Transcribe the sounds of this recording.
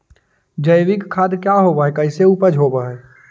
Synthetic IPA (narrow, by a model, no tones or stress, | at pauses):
d͡ʒəɪʋɪkkʰːaːd̪kjaɦoːbaːɦɛkəɪseupəd͡ʒɦoːbaɦɛː